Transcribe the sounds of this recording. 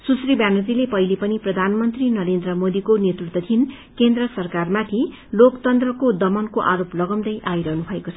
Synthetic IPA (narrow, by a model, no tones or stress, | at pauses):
susribjanud͡zilepʌɦilepʌniprʌd̪ʱanmʌnt̪rinʌɾend̪rʌmod̪ikonet̪rut̪wʌt̪ʰin | kend̪rʌsʌrkarmat̪ʰi | lokt̪ʌnt̪rʌkod̪ʌmʌnkoʔaɾoplʌɡʌmd̪ʌjʔajɾʌɦnubʱʌekot͡sʰʌ